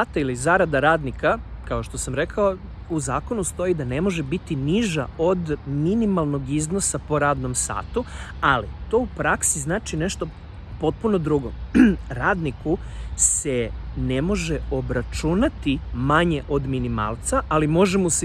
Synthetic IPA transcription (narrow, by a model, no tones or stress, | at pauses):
at̪ailizaɾad̪aɾaːd̪nikakao̞ʃt̪o̞samɾe̞kʰao | uzaːko̞nust̪o̞jid̪ane̞mo̞ʒebit̪iniʒa̰od̪minimalˠno̞ɡizno̞sapo̞ɾaːd̪no̞msa̰ːt̪u | alit̪o̞ːupɾaksiznaːt͡ʃine̞ʃt̪o̞ | po̞t̪̚puno̞d̪ɾuɡo̰ɾaːd̪niku | sene̞mo̞ʒeo̞bɾat͡ʃunat̪imaɲeʔo̞d̪minima̰ːlˠt̪saʔalimo̞ʒemos